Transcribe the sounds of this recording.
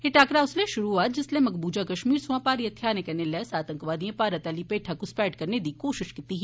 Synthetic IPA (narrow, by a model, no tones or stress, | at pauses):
ɦeʈaːkɾaːʊsleʃʊɾuat̪d͡ʒɪslemɐɡbuːd͡ʒakɐʃmiːɾsʊãːpaːɾiɐt̪ʰːjaːnẽkɐnelɛːsaːt̪əŋkʋaːd̪ijẽpaːɾɐt̪ɐlipeːʈʰakuspɛːʈkɐɾned̪iːkoːʃɪʃkit̪iɦi